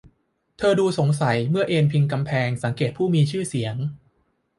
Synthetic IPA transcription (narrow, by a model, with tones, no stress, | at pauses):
t̪ʰɤː˧duː˧so˩˦ŋs̬a˩˦jmɯ˥˩ɐʔeː˧npʰi˧ŋk̬a˧mpʰɛː˧ŋsa˩˦ŋkeː˨˩t̪̚pʰuː˥˩miː˧t͡ɕʰɯː˥˩si˩˦əŋ